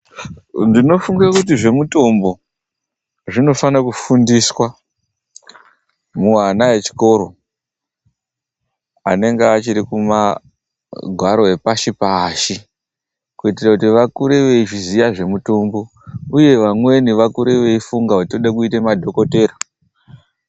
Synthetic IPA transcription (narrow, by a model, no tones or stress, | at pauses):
ndino̞fuŋɡakutiʐe̞muto̞mbo̞ | ʐino̞fanakufundiswa | muwanae̞t͡ʃi̥ko̞ːɾo̞ | a̰ne̞ŋɡeat͡ʃiɾikuma | ɡʱwaɾo̞e̞paʃipaːʃi | kuitirakutiʋakuɾe̞ʋe̞iʐizijaʐe̞muto̞mbo̞ | uje̞ʋamwe̞niʋakuɾe̞ʋe̞ifuŋɡaʋatoɗakuitemadʱo̞ko̞te̞ːɾa